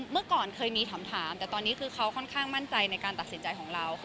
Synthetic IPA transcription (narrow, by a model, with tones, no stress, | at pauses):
mɯ˥˩kɔː˨˩nkʰɤː˧jmiː˧t̪ʰa˩˦mt̪ʰaː˩˦mt̪ɛː˨˩t̪ɔː˧nːiː˦˥kʰɯː˧kʰa˦˥wkʰɔ˥˩nkʰaː˥˩ŋma˥˩nt͡ɕa˧jna˧jkaː˧nt̪a˨t̪̚si˩˦nt͡ɕa˧jkʰɔː˩˦ŋɾa˧w